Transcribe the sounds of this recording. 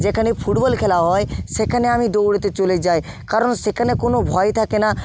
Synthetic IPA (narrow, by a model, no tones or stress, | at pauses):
d͡ʑekʰanepʰuʈbɔlkʰɛlaɦɔeʃekʰaneamid̪owɽet̪et͡ɕoled͡ʑaj | kaɾonsekʰanekonobʱɔjt̪ʰakena